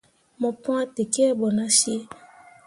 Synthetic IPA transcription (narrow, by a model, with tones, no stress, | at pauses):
mɔ˨pɔ̃˦a˦te˨ke˦bɔ˨na˦ʃi˦e˦